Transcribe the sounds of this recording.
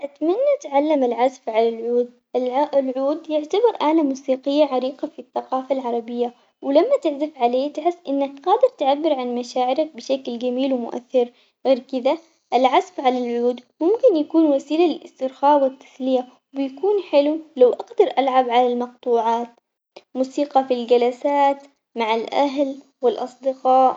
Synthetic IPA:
ʔat̪manːat̪ʕalːamalʕasfʕalalʕuːd̪̚ | lʕuːd̪jɪʕt̪abɑɾˤʔaʕlamuːsiːqɪjːaʕaɾiːqafiθːɑqɑːfalʕɑɾˤɑbɪjːa | wɪlamːat̪ɪʕzafʕaleːt̪ħɪsːʔɪnːakqɑːd̪ɪɾt̪ʕabːɪɾʕanmaʃaːʕɪɾak̚bɪʃaklɡamiːlwɪmʊʔa̰θːɪɾ | ɣeːɾkɪd̪a | ʔalʕasfʕalalʕuːd̪mʊmkɪnjakuːnwasiːlalɪlʔɪst̪ɪɾxaːwɪt̪ːḁθlɪja | bɪjkuːnħɪlulawʔaɡd̪ɑɾˤʔalʕabʕalalmɑqt̪ˤuːʕaːt̪ | muːsiːqɑfild͡ʒalasaːt̪ | maʕalʔa̰ɦl | wɪlʔɑsˤd̪ɪqɑːʔ

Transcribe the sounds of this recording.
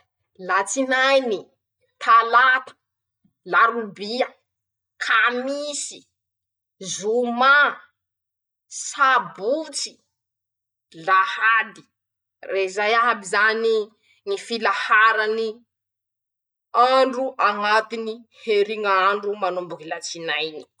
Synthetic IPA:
lat͡sinajni | t̪ʰalat̪ə̥ | laɾubiə | kʰamisi̥ | zuma | sabut͡si̥ | lahad̪i̥ | rezajaɦabizani | ŋifilahaɾani | aɳɖ͡ʐuʔaŋat̪iniheɾiŋaɳɖ͡ʐumanumbukilat͡sinajni̥

